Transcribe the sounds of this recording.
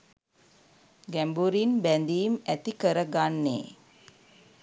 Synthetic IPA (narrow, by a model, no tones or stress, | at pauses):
ɡæmbuɾinbænd̪iːmæt̪ikəɾəɡanːḛ